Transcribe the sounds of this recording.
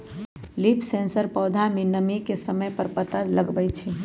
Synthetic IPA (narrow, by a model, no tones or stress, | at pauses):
lipʰsẽnsəɾpɔːd̪ʱamenəmikesəməjpəɾpət̪əd͡ʒləɡbəjt͡ʃʰɛ